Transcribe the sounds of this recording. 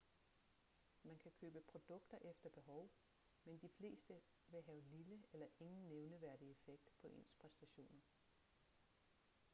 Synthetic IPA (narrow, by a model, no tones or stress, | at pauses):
mænkʰækʰø̰ːb̥əpʰʁo̝d̥ɔ̽ɡ̥̚d̥ɐʔefd̥ɐb̥e̝ɦɒ̽ʊ | mend̥ifle̝̰ːsd̥ə | ʋe̝ɦɛʊliləelɐʔe̝ŋn̩nːeʊnəʋæɐ̰d̥ie̝feɡ̥̚d̥pʰɒ̽ʔe̝̰nspʰʁɛsd̥æɕo̝̰ːnɐ